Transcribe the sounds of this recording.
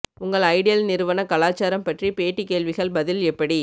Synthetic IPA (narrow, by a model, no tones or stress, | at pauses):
ʊŋɡɐɭɐɪɽɪjɐlnɪɾɯʋɐnɐkɐlaːt͡ʃːaːɾɐmpɐʈripeːʈːikeːɭʋɪɣɐɭbɐðɪlɛpːɐɽi